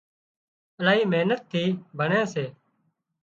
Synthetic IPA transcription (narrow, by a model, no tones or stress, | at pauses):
əlaːiːmeːnət̪ʰːiːbʱəɳẽːseː